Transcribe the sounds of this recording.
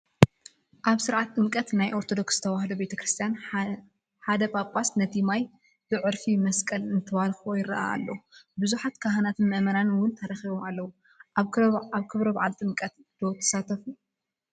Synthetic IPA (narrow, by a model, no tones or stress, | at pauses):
ʔaβsɨɾʕat̪ːʼɨnkʼɐt̪najʔoɾt̪ʰo̞d̪o̞kst̪ʰɐwahd̪obe̞t̪ʰɐkɾɨst̪ʰijan | ħad̪ɐpʼakʼasnɐt̪ʰimaj | b̥ɨʕɨɾfimɐskʼɐlɨnt̪ʰɨβalxuojɪɾɐ̰ʔa̰ːlːɐbɨzuħat̪kʰaɦɐnat̪ʰɨnmɨʔmɐnanwʊnt̪ʰɐɾɐxiβomalːɐwu | aβkʰɨβɾɐbaʕalt̪ʼɨŋkʼɐt̪d̪̥ot̪ʰɐ̥sat̪ʰɐfu